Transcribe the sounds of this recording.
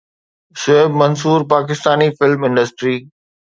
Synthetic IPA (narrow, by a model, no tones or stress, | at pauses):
ʃoɪbmɐns̬uːɾpaːk̬ɪst̪aːnifɪlmɪ̃ɳɖəsʈɾiː